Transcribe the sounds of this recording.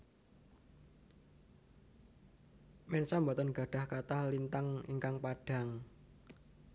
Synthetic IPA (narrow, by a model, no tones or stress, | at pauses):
mɛnsambɔt̪ɔnɡ̥a̤ɖ̥a̤hkat̪ahlint̪aŋḭŋkaŋpaɖ̥a̤ŋ